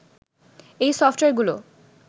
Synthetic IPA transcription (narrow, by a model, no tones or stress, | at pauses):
ejsɔfʈoeɾɡulo